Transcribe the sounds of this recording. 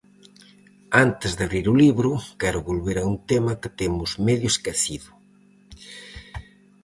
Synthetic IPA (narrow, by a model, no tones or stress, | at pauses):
ant̪ezðaβɾiɾuliβɾʊkɛɾʊβolβeɾaunt̪emɐke̥t̪emʊzmeðjʊeskeθiðʊ